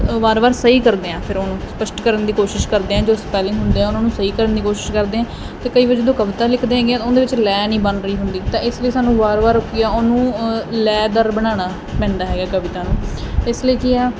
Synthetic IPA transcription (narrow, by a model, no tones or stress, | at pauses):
ʋaːɾʋaːɾsəiːkəɾd̪eːãːpʰɪɾoːnũːspəsʈkəɾənd̪iːkoːʃɪʃkəɾd̪eːãːd͡ʒoːspɛːlẽɦʊnd̪eːãːʊnãːnũːsəiːkəɾənd̪iːkoːʃɪ̥ʃkəɾd̪eːãː | t̪eːkəiːʋad͡ʒəd̪õːkəʋɪt̪aːlɪkʰd̪eːɦãːɡɪjãt̪oːd̪eːʋɪt͡ʃlɛːnĩːbənɾəiːɦʊnd̪iːt̪ãːʔɪsləiːsaːnũːʋaːɾʋaːɾʊkːɪjaːoːnũːlɛːd̪əɾbəɽ̃aːɽ̃aː | pɛ̃ːɳɖ̪aːɦɛːɡaːkəʋɪt̪aːnũːɪsləiːkɪaː